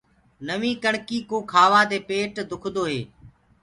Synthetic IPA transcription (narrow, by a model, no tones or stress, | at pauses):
nəʋĩːkəɳkiːkoːkʰaːʋaːd̪eːpeːʈd̪ʊkʰd̪oːɦeː